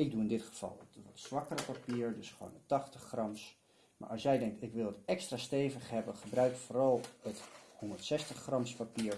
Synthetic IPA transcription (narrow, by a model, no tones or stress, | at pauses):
ɪk̚duɪndɪtχəv̥ɑ̰lˠətʋɔtsʋɑkərəpapiːɹdɵsχəʋo̰ːnətɑχtəχːrɑms | ma̰ːɹɑlˠsjɛjdɛŋk̚tɪkʋɪlˠətɛkstraːstejvəχɦɛbəχəbrœɥkfoːrɑlˠəthondəɹtsɛstəχːrɑmspapiːɹ